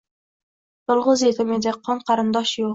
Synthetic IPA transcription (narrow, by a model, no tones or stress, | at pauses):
t̪olˠʁʊzet̪ʰʲɪmed̪eqʰɒɴqʰɑɾɪnd̪ɒʃjoq